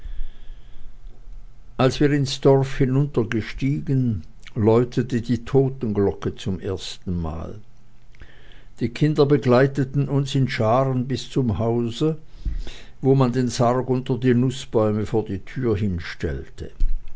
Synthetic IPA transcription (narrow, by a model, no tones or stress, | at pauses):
ʔalsv̥iːɐɪnsd̥ɔʁfhɪnʊntɐɡəʃtiːɡən | lɔʏtʰətədiːtʰoːtn̩ɡlɔkət͡sʊmʔeːɐstn̩ma̰ːl | d̥iːkʰɪndɐbəɡlaɪtətn̩ʊnsɪnʃaːʁənbɪst͡sʊmɦaʊzə | voːmandeːnsaʁɡʊntɐdiːnʊsb̥ɔʏməfoːɐdiːtʰyːɐɦɪnʃtɛ̰ltʰə̰